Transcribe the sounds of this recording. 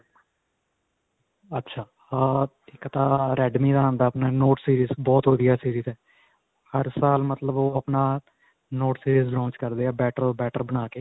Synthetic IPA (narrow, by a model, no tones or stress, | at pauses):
ətːʃʰaː | ɪkt̪aːɾɛːɖmiːd̪aːɦənd̪aːpnaːnoːʈsiːɾiːzbɔːt̪ɦoːd̪ɪjaːsiːɾiːzɛː | həɾsaːlmət̪ləboːəpnaː | noːʈsiːɾiːzlãːnt͡ʃkəɾd̪eːaːbɛːʈəɾbɛːʈəɾbənaːkeː